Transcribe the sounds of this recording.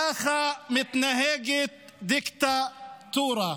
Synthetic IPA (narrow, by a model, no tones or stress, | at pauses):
axamɪt̪naɦeːɡɪ | d̪ɪkt̪at̪uːɾˤɑ